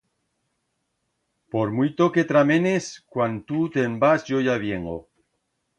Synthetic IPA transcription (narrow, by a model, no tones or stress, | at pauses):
poɾmujt̪oket̪ɾamẽneskwant̪ut̪embasʝojaβjeŋo